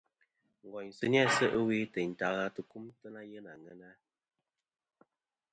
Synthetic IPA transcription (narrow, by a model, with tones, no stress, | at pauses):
ŋ̩˨ɡɔ˨ɲsɨ˦n˦a˦sə˦ʔə˦wi˦tə˨n̩˨ta˨ɣa˦tə˨ku˦mtə˦na˦jə˦na˨ŋə˨˦na˦